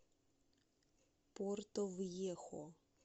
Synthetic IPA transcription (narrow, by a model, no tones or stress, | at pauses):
pɔrt̪ɔwjɛxɔ̰